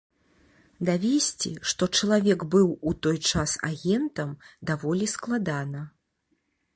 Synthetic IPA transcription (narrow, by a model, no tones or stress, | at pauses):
d̪avʲesʲt͡sʲḭʂt̪ɔt͡ʂɐlˠavʲɛɡbɨwut̪ɔjt͡ʂasa̰ɣʲɛnt̪ɐmd̪avɔlʲisklˠad̪anɐ